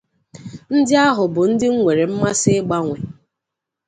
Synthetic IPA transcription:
n̩˦dɪ˦a˦ɦʊ˨bʊ˨n̩˦dɪ˦ŋ̩˦ŋʷe˨ɾe˨m̩˦ma˦sɪ˦ɡ͡ba˦ŋʷe˨

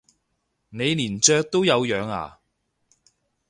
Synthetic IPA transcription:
ne˨˧jliː˨˩nt͡ʃœː˧k̚t̪o˥wjɐ˨˧wjœː˨˧ŋa̰ː˨˩

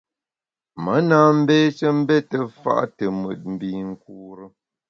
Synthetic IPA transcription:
mə˨˦naː˨˦m̩˦beː˦t͡ʃə˦m̩˦bɛ˦tə˨fa̰˦ʔtə˨mə̰˨t̚m̩˨bi˨ŋ̩˨kuː˦ɾə˦

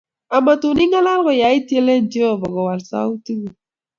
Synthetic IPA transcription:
a˨ma˨tu˨ni˦ŋɔ˦la˦lɣɔ˨ja˨˦i˦tje˦le˦n̩˦d͡ʒe˦ɔ˨bɔ˨ɡɔ˨wa˨lsa̰˦u˦tu˦ɡu˨

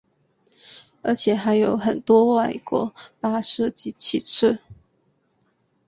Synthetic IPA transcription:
ə˞˧˥t͡ɕʰjɛ˨˩˦xa˧˥ɪjo˨˥ʊxə˨˩nt̪wɔ˥wa˥˩ɪkwɔ̰˧˥˦pa˥ʂɤ˥˧t͡ɕi˥˩t͡ɕʰi˨˩ʈ͡ʂʰɻ̩˥˩

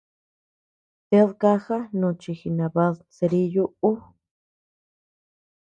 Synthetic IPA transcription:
t̪e˦ðka˦xa˦nũ˨˧t͡ʃi˧xi˧nã˨βa˧ðse˧ɾi˦ju˦ʔu˦

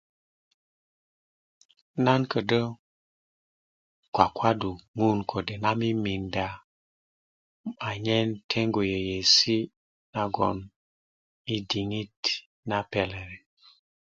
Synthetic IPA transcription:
na˦nkə˨də˦ | kwa˨kwa˦du˨ŋu˦nkʰo˨de˨na˦mi˦mi˨nda˨ | a˨ɲe˦ntʰe˦ŋɡo˨je˨je˨si˦ | na˨ɡo̰˨n | mi˦di˨ŋi˦t | na˦pe˨le˨ɾe˨

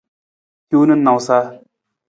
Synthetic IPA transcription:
ku˦nɨ˦nːa˨wsa˦

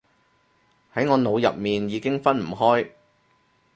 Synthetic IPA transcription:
hɐ˨˥jŋɔː˨˧no˨˧wjɐ̰˨p̚miː˨njiː˨˧kɪ˥ŋfɐ˥nm̩˨˩ɦɔː˥j

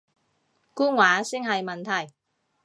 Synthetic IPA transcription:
kuː˥ŋwaː˨˥sɪ˥ŋɦɐ˨jmɐ˨nt̪ʰɐ˨˩j

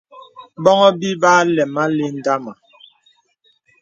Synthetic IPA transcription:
bɔ˦ŋɔ˦bi˦baː˦lɛ˨ma˦le˦n̩˨da˦ma˨

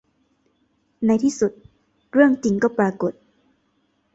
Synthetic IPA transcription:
na˧˥jt̪ʰiː˥˩su˨˩t̪̚ | ɾɯ˥˩əŋt͡ɕi˨˧˦ŋkɔː˥˩pɾaː˧˩ko˨˩t̪̚

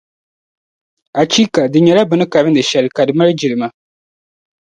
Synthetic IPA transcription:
a˨t͡ʃi˦ka˨dɨ˨ɲɛ˨la˦bɨ˨nɨ˦ka˨ɾɨ˦ndɨ˨ʃɛ˨lɨ˨ka˨dɨ˨ma˦ɾɨ˦d͡ʒi˨lɨ˨ma˦

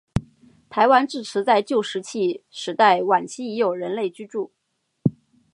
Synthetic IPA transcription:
t̪ʰa˧˥ɪwa˥nʈ͡ʂɻ̩˥˩ʈ͡ʂʰɻ̩˧˥t͡sa˥˧ɪt͡ɕjo˥˩ʊʂɻ̩˧˥t͡ɕʰi˥˩ʂɻ̩˧˥t̪a˥˩ɪwa˨˩nt͡ɕʰi˥i˧˥jo˨˩ʊɻə˧˥nle˥˩ɪt͡ɕy˥ʈ͡ʂu˥˩

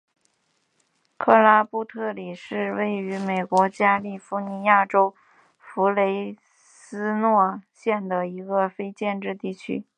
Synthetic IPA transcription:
kʰɤ˥˩la˥pu˥˧t̪ʰɤ˥˩li˨˩ʂɻ̩˥˧we˥˩ɪy˧˥me˨˩ɪkwɔ˧˥t͡ɕja˥li˥˩fu˧˥ni˧˥ja˥˩ʈ͡ʂo˥ʊ | fu˧˥le˧˥ɪ | sɹ̩˥nwɔ˥˩ɕjɛ˥˩nd̪ə˩i˧˥ɡə˧fe˥ɪt͡ɕjɛ˥˧nʈ͡ʂɻ̩˥˧t̪i˥˩t͡ɕʰy̰˥

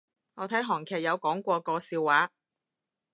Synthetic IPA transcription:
ŋɔː˨˧t̪ʰɐ˨˥jɦɔː˨˩ŋkʰɛː˨˩k̚jɐ˨˧wkɔː˨˥ŋkʷɔː˧kɔː˧siː˧wːaː˨˧˥

